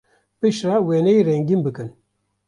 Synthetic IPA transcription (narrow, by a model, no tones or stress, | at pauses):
pɨʃɾɑːweːnɛiɾɛŋɡimbɨkɨn